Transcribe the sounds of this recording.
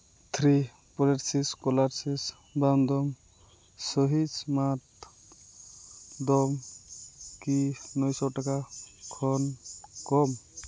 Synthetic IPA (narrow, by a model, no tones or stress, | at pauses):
t̪ʰɾi | pɔɾeʈsiskɔlaɾsis | bamd̪ɔm | sɔɦit͡ʃmat̪ | d̪ɔm | kinɔjsɔʈakakʰɔnkɔm